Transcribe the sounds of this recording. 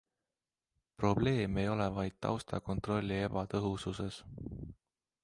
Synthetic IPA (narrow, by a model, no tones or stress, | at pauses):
pro̞ble̞ːmeejo̞levɑjd̪̥̚t̪ɑ̰wst̪ɑ̰ko̞nt̪ˑro̞lʲːie̞bɑt̪ɤɦususe̞s